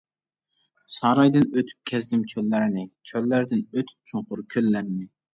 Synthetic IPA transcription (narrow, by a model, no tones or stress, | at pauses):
sɑɾɑjd̪ɪnøt̪ʰy̥p̚kʲʰɛzd̪ɪmt͡ʃʰølːæɾɪnɪt͡ʃʰølːæɾd̪ɪnøt̪ʰy̥p̚t͡ʃʰoɴqʊɾkʲʰølːæɾnɪ